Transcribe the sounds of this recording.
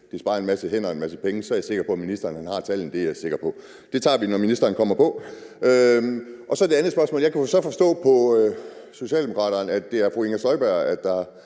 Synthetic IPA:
d̥eæsb̥ɑ̈ːɐe̝nmæsəɦen̰ɐenmæsəpʰeŋəsɒ̽æɐjɑse̝ɡ̥ɐpʰɒ̽æminisd̥ɐːn̩hænhɑ̈t͡sʰæl̰n̩d̥e̝jäse̝ɡ̥ɐpʰɒ̽ | d̥e̝t͡sʰɑ̰̈ːʋinɒminisd̥ɐːnkʰɒ̽m̰ɐpʰɒ̽ø | ʔɒ̽sɒ̽d̥e̝ænð̩ˠsb̥ɶɐsmɔ̽ːljɑ̈ɪkʰæsɒ̽fɒ̽sd̥ɔ̰̽ːpʰɒ̽øso̝ɕiɛ̰ːlde̝mo̝kʰɑ̰̈ːɾ̥ɐnæd̥ːe̝æɐfʁueŋɐsɒ̽ɪb̥æɐ̰æd̥ːɑ̈

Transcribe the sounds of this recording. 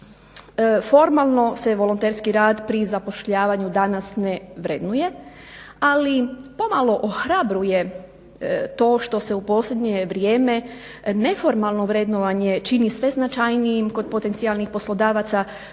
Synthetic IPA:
fo̞ɾmalˠno̞se̞ʋo̞lont̪eɾskiɾaːd̪pɾizapo̞ʃʎaːʋaɲud̪anasneʋɾed̪nuje̞ | alipo̞malˠo̞ʔoxɾabɾuje̞ | t̪o̞ːʃt̪o̞se̞upo̞ːslʎʲe̞d̪ɲeʋɾjeːme | ne̞fo̞ɾmalˠno̞ʋɾed̪noʋaɲe̞t͡ʃinisʋe̞znat͡ʃajnijimko̞d̪̚po̞t̪e̞nsialnixpo̞slˠo̞d̪aːʋat̪sa

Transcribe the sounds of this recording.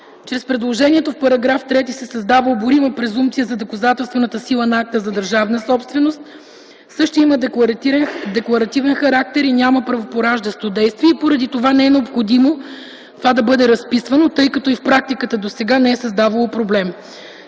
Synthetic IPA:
t͡ʃɾɛspɾɛd̪lˠoʒɛniɛt̪ofpɐɾɐɡɾaft̪ɾɛt̪isɛsɐzd̪avəlˠboɾiməpɾɛzumt̪sijəzɐd̪okɐzat̪ɛlˠst̪vɛnət̪əsilˠənɐak̚t̪əzɐd̪əɾʒavnəsɔpst̪vɛnost̪̚ | sɤʃt̪oimə | d̪ɛklˠɐɾɐt̪ivɛnxɐɾak̚t̪ɛɾinʲaməpɾɐvopoɾaʒd̪ɐst̪od̪ɛjst̪viɛipoɾɐd̪it̪ovanɛɛnɛopxod̪imo | t̪ovad̪ɐbɤd̪ɛɾɐspisvɐnot̪ɤjkɐt̪ɔifpɾak̚t̪ikət̪əd̪osɛɡanɛɛsɐzd̪avɐlˠopɾoblɛm

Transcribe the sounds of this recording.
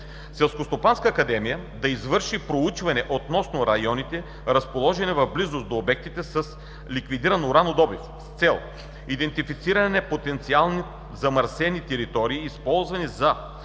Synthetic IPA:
sɛlˠskost̪opanskɐːkɐd̪ɛmijə | d̪ɐizvɤɾʃipɾout͡ʃvɐnɛʔot̪nɔsnoɾɐjɔnit̪ɛ | ɾɐspolˠɔʒɛnɛvɐvblizosd̪oːbɛk̚t̪it̪ɛsɐs | likvid̪iɾɐnɾanod̪ɔbif | st̪sɛlˠ | id̪ɛnt̪ifit̪siɾɐnɛpot̪ɛnt̪sialˠni | zɐmɐɾsɛnit̪ɛɾit̪ɔɾiːspɔlˠzvɐnizɐ

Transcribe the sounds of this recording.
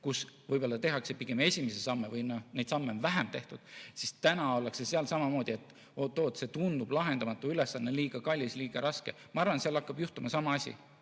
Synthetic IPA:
kusvɯjbo̞lːɑt̪e̞ɦɑkse̞piɡ̥e̞me̞sʲimese̞sɑmːevɯjnone̞jd̪̥sɑmːeonvæɦemt̪e̞ht̪ud̪̥sist̪ænɑo̞lːekseseɑlsɑmɑmo̞ːd̪ie̞t̪ːˑ | oːt̪ːo̞ːt̪se̞t̪und̪ub̥lɑɦe̞nd̪ɑmɑt̪ːˑuyle̞sːɑnːeliːɡ̥ɑkɑlʲːisliːɡ̥ɑɾɑske̞mɑɑrvɑnseɑlɑkːɑb̥juht̪umɑsɑmɑɑsʲḭ

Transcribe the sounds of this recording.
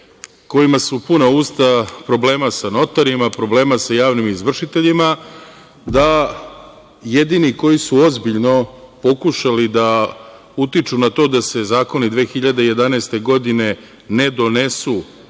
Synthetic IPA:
ko̞jimasupunauːst̪apɾo̞ble̞ːmasano̞t̪aɾimapɾo̞ble̞ːmasajaːʋnimizʋr̩ʃit̪e̞ʎima | d̪a | jed̪iniko̞jisuo̞zbiʎno̞po̞kuʃalid̪a | ut̪it͡ʃunat̪o̞ːd̪ase̞zaːko̞nid̪ʋe̞ːxiʎad̪eje̞d̪anɛːst̪e̞ɡo̞d̪ine̞ | ne̞d̪o̞ne̞su

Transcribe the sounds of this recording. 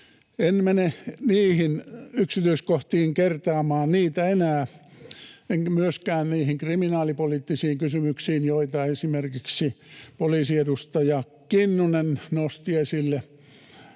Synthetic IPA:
enmeneniːhinyksit̪yiskoht̪iːŋkert̪ɑːmɑːnniːt̪æenæː | eŋkmyøskæːnniːhiŋkriminɑːlipoliːt̪ːisiːŋkysymyksiːnjoit̪ɑesimerkiksipoliːsiedust̪ɑjɑ | kinːunennost̪iesilːe

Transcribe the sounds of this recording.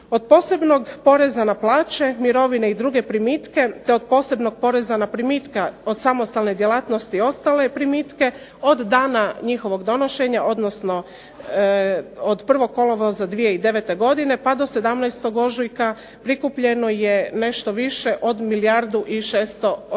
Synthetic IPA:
o̞d̪̚po̞ːse̞bno̞ɡpo̞ɾe̞zanaplˠaːt͡ɕemiɾo̞ʋineid̪ɾuɡe̞pɾimit̪ke̞t̪e̞od̪̚po̞ːse̞bno̞ɡ̚po̞ɾe̞zanapɾimit̪kaod̪samost̪alne̞d̪jelˠaːt̪no̞st̪io̞st̪alepɾimiːt̪ke̞ | o̞d̪ːaːnaɲixo̞ʋo̞ɡd̪o̞noʃe̞ɲaʔo̞d̪nosno̞ | od̪pr̩ʋo̞kːo̞lˠo̞ʋozad̪ʋije̞id̪e̞ʋe̞t̪e̞ɡo̞d̪ine̞pad̪o̞se̞d̪amnɛjst̪o̞ɡo̞ʒujka | pɾikupʎe̞no̞jene̞ʃt̪o̞ʋiʃe̞ʔo̞d̪milijaɾd̪uʔiʃeːst̪o̞

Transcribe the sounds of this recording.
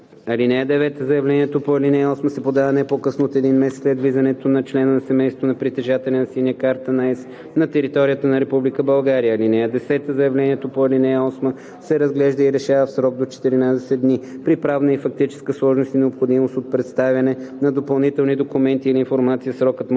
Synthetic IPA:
ɐlinɛjəd̪ɛvɛt̪əzɐjɐvlɛnʲiɛt̪opoɐlinɛjɔsməsɛpod̪avɐnɛpokɤsnoːt̪ɛd̪inmɛsɛt̪slɛd̪vizɐnɛt̪onɐt͡ʃlɛnənɐsɛmɛjst̪vonɐpɾit̪ɛʒat̪ɛlʲɛnɐsinʲəkaɾt̪ənaɛs | nɐt̪ɛɾit̪ɔɾijət̪ənɐɾɛpublikəbɐlˠɡaɾijəːlinɛjəd̪ɛsɛt̪əzɐjɐvlɛniɛt̪opoɐlinɛjɔsmə | sɛɾɐzɡlɛʒd̪əiɾɛʃavəfsɾɔɡ̚d̪ot͡ʃɛ̥t̪iɾinad̪ɛsɛd̪nipɾipɾavnəifɐk̚t̪it͡ʃɛ̥skəslˠɔʒnost̪inɛopxod̪imost̪ot̪̚pɾɛt̪st̪avʲjɐnɛnɐd̪opɐlˠnit̪ɛlˠnid̪okumɛnt̪iːliːnfoɾmat̪sijəsɾɔkət̪m

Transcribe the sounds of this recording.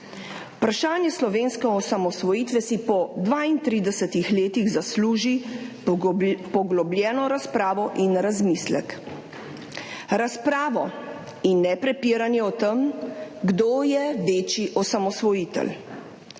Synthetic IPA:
pɾaʃaːnjɛslɔʋeːnskɛɔsamɔsʋɔjiːt̪ʋɛsipɔd̪ʋaint̪ɾiːd̪ɛsɛt̪ixleːt̪iɣzasluːʒi | pɔɡlɔblʲjɛːnɔɾaspɾaːʋɔʔinɾazmislɛ̰k | ɾaspɾaːʋɔ | inːɛpɾɛpiːɾanjɛɔt̪əmɡd̪oːjɛʋeːt͡ʃiʔɔsamɔsʋɔjit̪ɛ̰l

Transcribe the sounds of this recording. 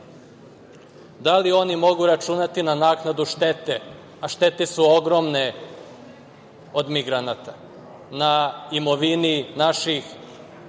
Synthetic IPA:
d̪alio̞nimo̞ɡuɾat͡ʃunat̪inanaːknad̪uʃt̪et̪e | aʃt̪e̞t̪esuo̞ɡɾo̞mne | o̞d̪miɡɾanat̪a | naimo̞ʋininaʃix

